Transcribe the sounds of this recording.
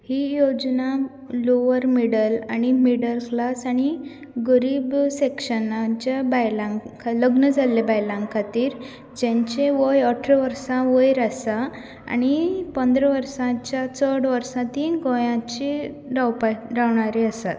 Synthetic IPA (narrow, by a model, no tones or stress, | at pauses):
hiːjod͡ʑnã | loʋəɾmiɽəlaɽ̃imiɽəlklasaɽ̃i | ɡəɾiːbsekʂənat͡ɕabajlãŋkʰaləɡnəd͡zʱalːebajlãŋɡkʰat̪iːɾ | d͡ʑẽɲt͡ɕeʋəjɔʈʰɾəʋəɾsãʋəjɾasa | a̰ɽ̃ipənd̪ʱɾəʋəɾsãt͡ɕjat͡səɽʋəɾsãt̪iːnɡõjãt͡ɕi | ɾawpaɾawɳaɾiəsa̰t̪